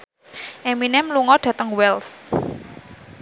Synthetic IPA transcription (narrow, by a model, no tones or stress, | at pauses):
ʔeminɛmluŋɔɖ̥ä̤t̪əŋwɛls